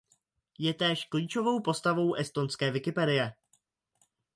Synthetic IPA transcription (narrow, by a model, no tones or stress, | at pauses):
jɛt̪ɛːʃkliːt͡ʃo̞vo̞wpo̞st̪avo̞wʔɛst̪o̞nskɛːvɪkɪpɛdɪjɛ